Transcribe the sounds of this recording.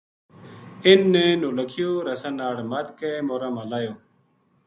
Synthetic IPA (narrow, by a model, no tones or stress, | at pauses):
ɪnːẽːnõːləkʰɪjoːɾəsənːaːɽmət̪keːmoːɾãːmãːlaːjõː